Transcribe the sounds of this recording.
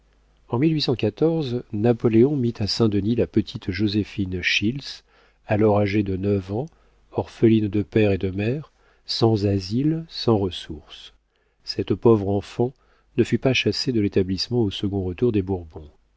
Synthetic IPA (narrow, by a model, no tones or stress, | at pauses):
ɑ̃milɥisɑ̃kʲat̪ɔʁznapɔleɔ̃mit̪ʰasɛ̃d̪ənilapət̪ʰit̪ʒozefinʃils | alɔʁaʒed̪ənəvɑ̃ | ɔʁfəlind̪əpɛʁed̪əmɛʁ | sɑ̃zazilsɑ̃ʁəsuʁs | sɛt̪pɔvʁɑ̃fɑ̃ | nəfypaʃased̪əlet̪ablismɑ̃osəɡɔ̃ʁət̪uʁd̪ebuʁbɔ̃